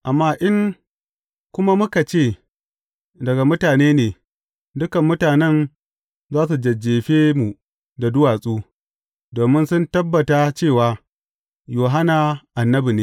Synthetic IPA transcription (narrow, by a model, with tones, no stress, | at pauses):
ʔa˨mːaː˦ʔɪ˦ŋ | kʷʊ˦ma˦mʊ˦ka˨t͡ʃeː˦˨ | dɐ˨ɡa˨mʊ˦taː˨neː˦neː˨ | dʊ˦kɐ˨mːʊ˦taː˨nɛ˦n | zaː˦su˨d͡ʒɐ˨d͡ʒeː˨ɸeː˦mu˨ | da˨dʊ˦waː˨sʼuː˦ | doː˨mɪ˦nsʊ˦ntɐ˦bːɐ˨ta˦t͡ʃeː˦˨waː˦ | joː˨ɦa˦na˨ʔa˨nːɐ˦bi˨neː˨